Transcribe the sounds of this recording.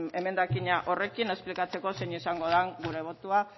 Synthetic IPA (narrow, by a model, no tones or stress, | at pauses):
e̞me̞nd̪akiɲaʔo̞re̞kine̞splikat͡se̞ko̞seɲisaŋɡo̞ðaŋɡuɾe̞β̞o̞t̪ua